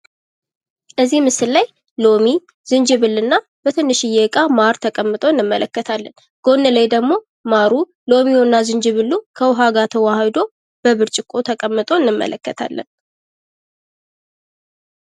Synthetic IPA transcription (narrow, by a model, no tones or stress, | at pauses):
ʔəzːihmɨsɨllaj | lo̞mi | zɨnd͡ʒɪβɨlːɨnːa | b̥ət̪ʰɨnːɨʃɪjɛɨkʼamaɾt̪ʰəkʼəmːɨt̪ʼo̞ɨnːɨmːələkːət̪ʰalːən | ɡ̥o̞nːələjd̪əɡmo̞ | maɾu | lo̞mionːazɨnd͡ʒɨβɨlːukʰəwʊɦaɡat̪ʰəwahəd̪o̞ | b̥əβɨɾt͡ʃʼɪkʼo̞t̪ʰəkʼəmːɨt̪ʼo̞ɨnːɨmːə̰lʔəkːət̪ʰa̰lːə̰n